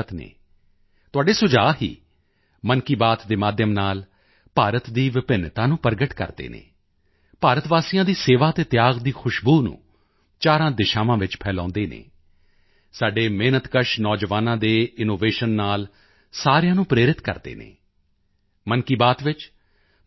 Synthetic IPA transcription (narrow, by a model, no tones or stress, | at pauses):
ət̪nḛː | t̪ʊaːɖeːsʊd͡ʒaːɦḭː | mənkiːbaːt̪d̪eːmaːd̪jəmnaːl | paːɾət̪d̪iːʋɪpɪnːt̪ãːnũːpəɾɡəʈkə̰ɾd̪ḛːnḛː | paːɾət̪ʋaːsijãːd̪iːseːʋaːt̪eːt̪ɪjaːɡd̪iːkʰʊʃbuːnṵ̃ː | t͡ʃaːɾãːd̪ɪʃaːʋãːʋɪt͡ʃpʰɛːlãːnd̪eːnḛː | saːɖeːmeːnət̪kəʃnɔːd͡ʒʋaːnãːd̪eːɪnoːʋeːʃənːaːl | saːɾjãːnũːpɾeːɾɪt̪kə̰ɾd̪ḛːnḛː | mənkiːbaːt̪ʋɪt͡ʃ